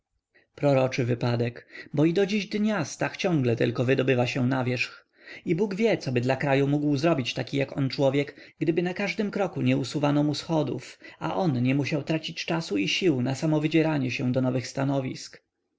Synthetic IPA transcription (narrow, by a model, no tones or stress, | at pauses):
pɾɔɾɔt͡ʂɘvɘpad̪ɛkbɔid̪ɔd͡ʑiʑd̪ɲast̪axt͡ɕɔ̃ŋɡlɛt̪ɘ̰lkɔvɘd̪ɔbɘvaɕɛnavʲjɛʂx | ibuɡvʲjɛt̪sɔbɘd̪lakɾajumuɡwzɾɔbʲit͡ɕt̪akʲijakɔnt͡ʂwɔvʲjɛkɡd̪ɘbɘnakaʐd̪ɘmkɾɔkuɲɛusuvanɔmusxɔd̪ufa̰ʔɔnɲɛmuɕawt̪ɾat͡ɕit͡ɕt͡ʂasuiɕiwnasamɔvɘd͡ʑɛɾaɲɛɕɛw̃d̪ɔnɔvɘxst̪anɔvʲḭsk